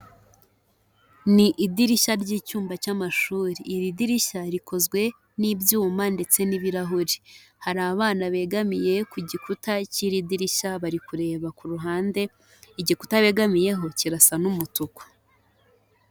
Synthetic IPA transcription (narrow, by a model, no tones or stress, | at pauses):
niʔidiɾiʃaɾɟiːcuːmbacamaʃuːɾiːɾidiɾiʃaɾikʰo̞zɡwe̞ | nibjuːmande̞t͡se̞niβiɾaɦuɾihaɾaβaβaːnaβe̞ɡamije̞kuɟikutaciɾidiɾiʃaβaɾikuɾe̞ːβakuɾuɦaːnde̞ | iɟiku̥taβe̞ːɡamije̞ɦo̞ciɾasanumutukḁ